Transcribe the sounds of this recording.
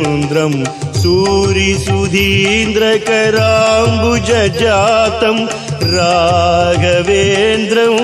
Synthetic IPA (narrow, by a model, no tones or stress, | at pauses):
nd̪ɾɐmsuːɾisud̪ʱind̪ɾɐkɐɾaːmbud͡ʒɐd͡ʒaːt̪ɐm | ɾaːɡʱɐʋend̪ɾɐm